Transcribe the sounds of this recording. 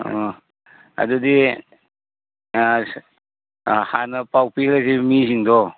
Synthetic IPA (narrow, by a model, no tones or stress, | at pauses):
a̰d̪udi | hanəpawpilazimiziŋd̪ɔ